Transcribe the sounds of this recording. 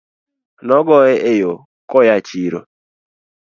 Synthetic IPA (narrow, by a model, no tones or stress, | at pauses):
nɔɡɔɛʔejo | kɔjat͡ʃiɾo̰